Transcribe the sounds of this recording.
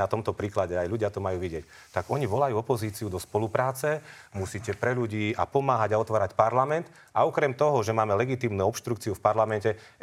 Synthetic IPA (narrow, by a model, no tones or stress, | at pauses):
at̪ɔmt̪ɔpɾiːklaɟɛajʎuɟɪat̪ɔmajuːʋiɟɪɛc | t̪aɡɔɲiʋɔlajuːɔpɔziːt͡siud̪ɔspɔlupɾaːt͡sɛmusiːcɛpɾɛʎuɟiːa̰pɔmaːɦaɟaɔt̪ʋaːɾacpaɾlamɛnt̪ | aɔkɾɛmt̪ɔɦɔʒɛmaːmɛlɛɡit̪iːmnuɔpʃt̪ɾukt͡siufpaɾlamɛncɛ